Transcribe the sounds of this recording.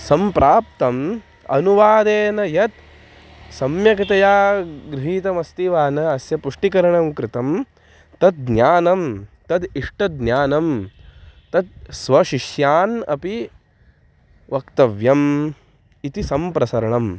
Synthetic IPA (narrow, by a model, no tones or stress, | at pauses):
sɐmpɾaːp̚t̪ɐm | ɐ̰nuʋaːd̪eːnɐjɐt̪̚ | sɐmjɐkɐt̪ɐjaːɡɾɪɦiːt̪ɐmɐst̪iʋaːnɐɐsjɐpuʂʈikɐɾɐɳɐmkɾɪt̪ɐm | t̪ɐt̪̚ɡnjaːnɐmt̪ɐd̪iʂʈɐd̪njaːnɐm | t̪ɐt̪̚sʋɐʃiʂjaːnɐ̰pi | ʋɐkt̪ɐʋjɐm | it̪isɐmpɾɐsɐɾɐɳɐm